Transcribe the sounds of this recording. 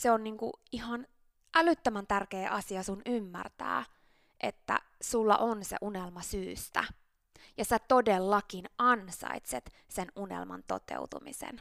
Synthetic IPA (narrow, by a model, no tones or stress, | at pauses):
seonniːŋkṵihɑn | ʔælyt̪ːømænt̪ærkeːʔɑsiɑsunymːæ̰rt̪æ̰ː | ʔḛt̪ːæ̰ | sulːɑ̰ʔonsḛʔunelmɑsyːst̪æ̰ | jɑsæt̪odelːɑkinɑnsɑ̰it̪set̪ | senunḛlmɑ̰nt̪o̰t̪ḛut̪umḭsḛn